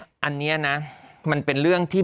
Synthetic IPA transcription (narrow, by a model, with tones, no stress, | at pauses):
ʔa˧nːiː˦˥ɐna˦˥ma˧npe˧nɾɯ˥˩əŋt̪ʰiː˥˩